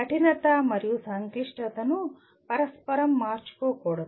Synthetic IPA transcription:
ɐʈinɐt̪amɐɾijusɐŋkliʂʈɐt̪ɐnu | pɐɾɐspɐɾɐmːaːɾt͡ʃi̥koːkoɽɐ

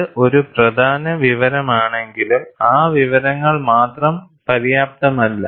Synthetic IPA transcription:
ʔo̞ɾuprɐd̪ʱaːnɐʋiʋɐɾɐmaːɳe̞ŋɡilumaːʋiʋɐɾɐŋːɐɭmaːt̪rɐm | pɐɾijaːp̚t̪ɐmɐlːɐ

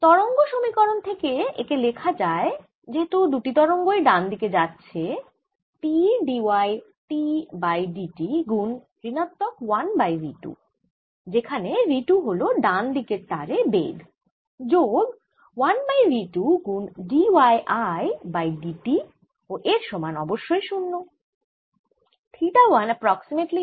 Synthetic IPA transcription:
t̪ɔɾoŋɡoʃomikɔɾont̪ʰekeḛkelekʰad͡ʑae | d͡ʑeɦet̪ud̪uʈit̪ɔɾoŋɡoeɖand̪iked͡ʑatːɕʰe | piɖiaj | ʈibajɖiʈiɡun | ɾinat̪ːɔkwanbajɾiʈṵ | d͡ʑekʰaneɾiʈuɦoloɖand̪ʱikeɾt̪aɾebḛɡ̪ | d͡ʑoɡ | wanbajɾiʈuɡunɖiwajʔajbajɖiʈi | oʔeɾʃɔmanɔboʃːoeʃunːo | t̪ʰiʈawanəpɾɔksimeʈli

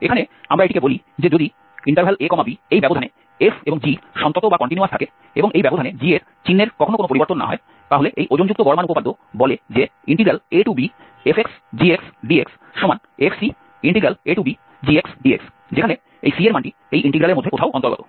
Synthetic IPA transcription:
ekʰaneamɾaeʈikeboli | d͡ʑed͡ʑod̪i | iɳʈaɾbʰʱalekɔmabiejbɛbod̪ʱane | efeboŋd͡ʑiʃɔnt̪ot̪obakɔɳʈiniuaɾt̪ʰake | eboŋejbɛbod̪ʱaned͡ʑieɾ | t͡ɕinːeɾkɔkʰonokonopoɾiboɾt̪onːa̰ɦɔe | t̪aɦoleʔejʔod͡ʑond͡ʑuk̚t̪oɡɔɾmanupopad̪ʱːo | bɔled͡ʑeiɳʈiɡɾaleʈubi | efeksd͡ʑieksɖieks | ʃɔman | efʰsi | iɳʈiɡɾaleʈubi | d͡ʑieksɖiḛks | d͡ʑekʰane | ḛjsieɾmaɳʈi | ejʔiɳʈiɡɾaleɾmod̪ʱːekot̪ʰaoʔɔnt̪oɾɡɔt̪o

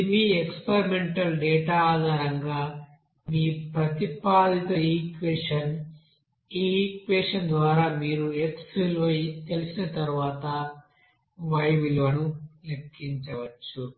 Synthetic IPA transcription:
miːekspeɾime̞ɳʈɐlɖɛːʈaːaːd̪ʱaːɾɐŋɡaː | miːpɾɐt̪ipaːd̪ʱit̪ɐiːkʋeːʂɐn | iːkʋeːʂɐnd̪ʋaːɾaːmiːɾueksilʋɐjt̪elisinɐt̪ɐɾuʋaːt̪ɐ | ʋɐjʋilʋɐnulekːiɲt͡ʃɐʋɐt͡ʃːu

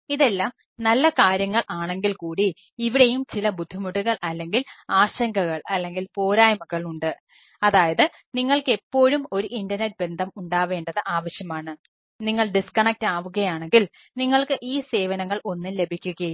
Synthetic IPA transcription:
iðe̞lːaːm | nɐlːɐkaːɾjɐŋːɐɭʔaːɳe̞ŋɡilkuːɽiː | ʋiɽe̞jumt͡ɕilɐbud̪ʱːimuɽuɣɐɭʔɐlːe̞ŋɡilaːɕɐŋɡɐɣɐɭɐlːe̞ŋɡilpo̞ːɾaːjmɐɣɐɭuɳɖɨ | ɐðaːjɐðɨ | niŋːɐɭke̞pːo̞ːɻumo̞ɾuʔindɐrnet̚be̞nd̪ʱɐmuɳɖaːʋe̞ːɳɖɐðɨʔaːʋɐɕjɐmaːɳɨ | niŋːɐɭɖiskɐɳek̚taːʋuɣɐjaːɳe̞ŋɡil | niŋːɐɭkɨʔiːse̞ːʋɐnɐŋːɐɭo̞nːinle̞bʱikʲːuɣɐ

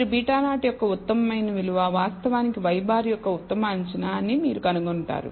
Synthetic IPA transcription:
ɾubiːʈaːnaːʈɐjɔkːɐut̪ːɐmɐmɐjnɐʋiluʋaːʋaːst̪ɐʋaːnikiʋɐjbaːɾijɔkːɐut̪ːɐmɐːɲt͡ʃinaːnimiːɾukɐnuɡoɳʈa̰ːɾṵ

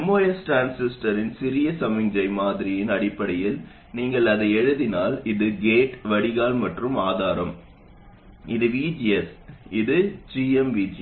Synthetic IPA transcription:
ɛmːoːjɐsʈaːnsɪsʈɐɾɪnsɪɾɪjɐsɐmɪŋd͡ʒɐɪmaːðɪɾɪjɪnɐɽɪpːɐɽɐjɪl | niːŋɡɐɭɐðɐɛɻɯðɪnaːlɪðɯɡeːʈʋɐɽɪɣaːlmɐʈrɯmaːðaːɾɐm | ɪðɯʋiːd͡ʒiɛsɪðɯd͡ʒiːɛmʋiːd͡ʒi

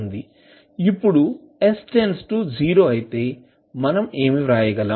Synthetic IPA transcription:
nd̪i | ipːuɽu | esʈensʈuːd͡ʒiːɾo̞ːɐjit̪e̞ː | mɐnɐme̞ːmiʋɾaːjɐɡɐlaː

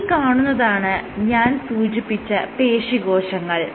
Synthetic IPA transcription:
kaːɳunːɐðaːɳɨɲaːnsuːd͡ʑipːit͡ɕːɐpe̞ːʂiɡo̞ːʂɐŋːɐɭ

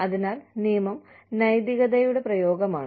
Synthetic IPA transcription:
ɐðinaːlnijmɐm | nɐjd̪iɣɐðɐjuɽe̞prɐjo̞ːɡɐmaːɳɨ

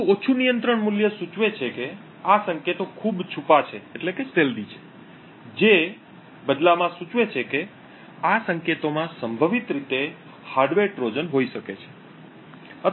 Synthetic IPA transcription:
ot͡ʃʰunijənt̪ɾəɳmuljəsut͡ʃʋet͡ʃʰeke | asəŋket̪okʰubt͡ʃʰupat͡ʃʰeːʈlekeseld̪it͡ʃʰe̥ | d͡ʒe | bəd̪lamãsut͡ʃʋet͡ʃʰeke | asəŋket̪omãsəmbʱəʋit̪ɾit̪e | haɾɖʋeʈɾod͡ʒənɦoiʃəket͡ʃʰe̥ | ə

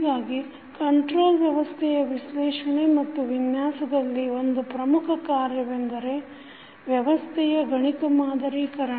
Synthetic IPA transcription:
ɡaːɡi | kɐɳʈɾoːlʋjɐʋɐst̪ʰɛjɐʋiʃlɛːʂɐɳemɐt̪ːuʋinjaːsɐd̪ɐlːio̞nd̪upɾɐmukʰɐkaːɾjɐʋend̪ɐɾe̞ | ʋjɐʋɐst̪ʰɛjɐɡʱɐɳikɐmaːd̪ɐɾiːkɐɾɐ

